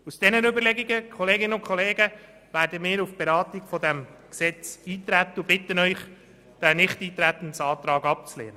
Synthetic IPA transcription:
usd̥ɛnənʏbəɾlɛɡiɡəkʰɔleːɡɪnənʊnkχɔleːɡə | væːɾdəmɪːɾufb̥eɾɑːt̪iɡfɔdæmksɛt͡siːt̪ɾæt̪əubɪt̪ənœʏχ | d̥ænɪχtiːt̪ɾæt̪ən̩sɑːt̪ɾɑːɡɑp̚t͡slḛːnə

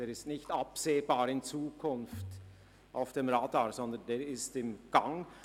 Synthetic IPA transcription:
eːʁɪstnɪçtapseːbaːɾɪnt͡suːkʰʊnft | ʔaʊfd̥emʁaːdaːɹzɔndɐndeːɾɪstɪmɡ̥aŋ

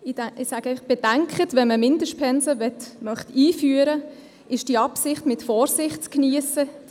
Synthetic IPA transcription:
ɪdɪsaːɡ̥eɪəχb̥ɛd̥æŋkχətʋɛnməmɪndəʃt̚pʰɛnsəʋɛtmœχtiːfyəɾə | ɪʃd̥iɑpsɪχtmɪtfɔːɾsɪχtt͡skniəsə

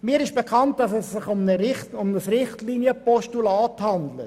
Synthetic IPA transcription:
mɪːəɾɪʃb̥ekʰɑnt̚d̥ɑsɛsːɪχʊmnəɾɪχʊmnəsrɪχtlinjəpɔʃtulɑːthɑnd̪lət

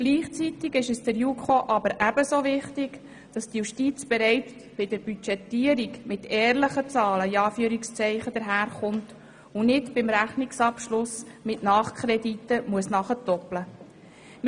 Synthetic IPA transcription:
ɡ̥liːχt͡sitiɡɪʃəsd̥əɾjukχoʔɑbəɾʔæb̥əsovɪχtɪɡ | d̥ɑstjuʃtiːt͡sb̥ɛɾɛɪtb̥ɪd̥əɾbyt͡ʃɛtːiəɾikmɪtɛːɾləχət͡sɑːləiɑːfyəɾikst͡sɛɪχəd̥̪əɾɦæːɾχʊnt | unɪtbɪmɾæχniksɑpʃlʊsmɪtnɑːχkʰɾɛdit̪ːəmuəsnɑχətɔplə

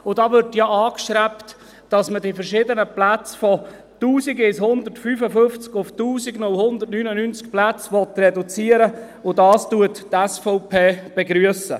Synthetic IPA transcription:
ʊdɑːʋʏɾtjaʔɑːkʃɾæpt | d̥ɑsmədifəɾʃɪːdənəplæt͡sfɔ | tuːsiɡɪshʊnd̪ərtfyːfəfʏnft͡skʊftuːsiɡnʊlhʊnd̪ərtnyːnənyːnt͡sk̚plæt͡sʋɔt̪rɛdut͡siːəɾə | ʊdɑːstuəttɛsfɔʊpʰeːb̥eɡɾyəsə̰

